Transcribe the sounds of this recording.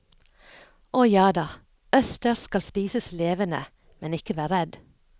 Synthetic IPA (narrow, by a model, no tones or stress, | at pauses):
ʔɔjɑːd̪ɑː | œst̪əɾskɑlspiːsəsleːʋənə̰ | mɛnɪkəʋæːɾɛd̪